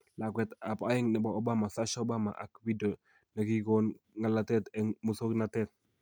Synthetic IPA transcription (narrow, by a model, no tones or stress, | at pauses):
lakwɛt̪apajɪŋnɛbaobamasaʃbama̰ʔa̰kwido | nakikɔnŋalat̪ɛt̪ɛŋmusoknatɛt̪̚